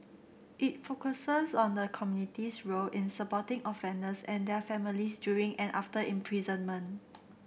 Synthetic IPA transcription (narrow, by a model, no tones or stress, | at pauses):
ʔɪt̚fokəsəsɔ̃ndəkʰɔmjunitisɹolɪ̃nsəpɔtɪ̃ŋɔfɛ̃ndəsɛ̃ndɛfɛmilisdjuɹĩŋʔɛ̃nʔa̰ftəʔɛ̃mpʰɹizə̃nmə̃n